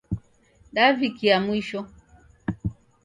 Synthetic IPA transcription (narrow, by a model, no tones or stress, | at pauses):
ɗavikiamwiʃɔ